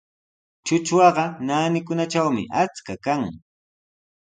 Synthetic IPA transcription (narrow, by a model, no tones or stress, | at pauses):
t͡ʃʊt͡ʃwɑɢɑnaːnɪkʊnat͡ʃawmɪ̰ʔat͡skakaŋ